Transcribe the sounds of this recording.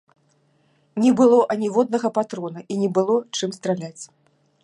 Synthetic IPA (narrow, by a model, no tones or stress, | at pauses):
nʲɛbɨlˠɔʔɐnʲivɔd̪̚nɐɣɐpat̪ɾɔnɐʔinʲɛbɨlˠɔt͡ʂɨmst̪ɾalʲat͡sʲ